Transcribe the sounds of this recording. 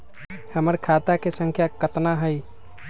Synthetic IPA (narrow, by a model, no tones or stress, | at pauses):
həməɾkʰat̪akesəŋkʰjakət̪naɦəj